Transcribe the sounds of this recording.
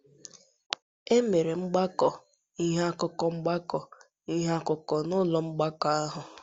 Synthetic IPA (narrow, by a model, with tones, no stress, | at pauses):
e˦me˨ɾe˨ŋ͡m̩˦ɡ͡ba˦kɔ˨ | i˦ɦe˦a˦kʊ˦kɔ˨ŋ͡m̩˦ɡ͡ba˦kɔ˨ | i˦ɦa˦kʊ˨kɔ˨nʊ˦lɔ˨ŋ͡m̩˦ɡ͡ba˦kɔ˨a˦ɦʊ˨